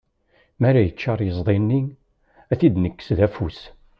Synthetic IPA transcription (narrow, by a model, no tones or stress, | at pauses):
mæɾæjət͡ʃːɑɾˤjəzˤðˤinːiŋ | æθid̪nəkːə̥sðæfus